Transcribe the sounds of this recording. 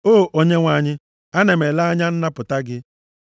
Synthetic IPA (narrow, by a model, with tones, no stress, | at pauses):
oː˦˨ʔo˦ɲe˦ŋʷa˨ɲɪ˦ | a˦ne˨me˨la˦a˦ɲa˦n̩˦na˦pʊ˨ta˦ɡɪ˦